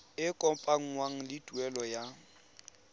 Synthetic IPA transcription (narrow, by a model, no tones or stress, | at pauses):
ɪkʼɔpʼaŋ̩ŋwaŋ̩lɪtʼuɛlɔja